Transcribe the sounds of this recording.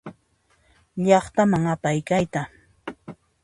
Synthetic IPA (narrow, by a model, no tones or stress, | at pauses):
ʎɑχt̪amaŋapajkajt̪a